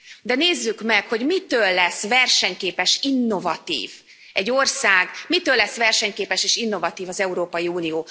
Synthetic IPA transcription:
d̪ɛneːzːykmɛkho̞ɟmit̪øːlːɛsvɛrʃɛɲkeːpɛʃinːo̞vɒt̪ḭːv | ɛɟːorsaːɡmit̪øːlːɛsʋɛrʃɛɲkeːpɛʃeːʃinːo̞vɒt̪iːvɒzɛuɾoːpɒjiuːnijoː

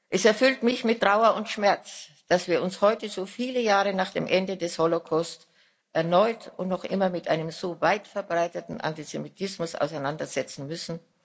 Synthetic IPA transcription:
ʔɛsɛɐfʏltmɪçmɪtːʁ̥aʊɐʊntʃmɛɐt͡sd̥asv̥iːɐʊnshɔʏtəzoːfiːləjaːʁənaːχd̥eːmʔɛndədɛsholokʰast | ʔɛɐnɔʏtʊntnɔχʔɪmɐmɪtʔaɪnəmzoːvaɪtfɛɐbʁaɪtətn̩ʔa̰ntizemitʰɪsmʊsa̰ʊsaɪnandɐz̥ɛt͡sn̩mʏsn̩

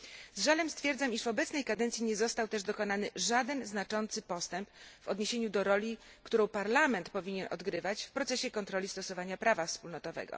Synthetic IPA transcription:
zʐalɛmst̪fʲjɛɾd̪zamiʂvɔbɛt̪snɛjkad̪ɛnt̪sʲjiɲɛzɔst̪awt̪ɛʐd̪ɔkɔnanɘʐad̪ɛnznat͡ʂɔnt̪sɘpɔst̪ɛmpvɔd̪ɲeɕeɲud̪ɔɾɔlʲi | kt̪uɾɔ̃w̃paɾlamɛnt̪pɔvʲiɲɛnʔɔ̰d̪ɡɾɘvat͡ɕfpɾɔt̪sɛɕɛkɔnt̪ɾɔlʲist̪ɔsɔvaɲapɾavafspulnɔt̪ɔvɛ̰ɡɔ̰

